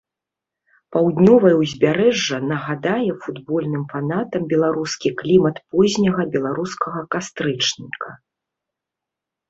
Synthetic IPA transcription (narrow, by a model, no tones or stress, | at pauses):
pawd̪nʲɔvɐjɛwzʲbʲaɾɛʐːɐnɐɣad̪ajɛfud̪bɔlʲnɨmfanat̪ɐmbʲɛlˠaɾuskʲiklʲimɐt̪pɔzʲnʲɐɣɐbʲɛlˠaɾuskɐɣɐkast̪ɾɨt͡ʂnʲikʰɐ